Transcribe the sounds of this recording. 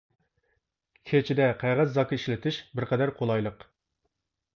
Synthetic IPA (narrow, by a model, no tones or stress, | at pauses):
kʲʰet͡ʃʰid̪ɛqʰæʁæzːɑkʰɑiʃlɪt̪ʰɪʃbɪɾqʰɛd̪æɾqʰolˠɑjlˠəq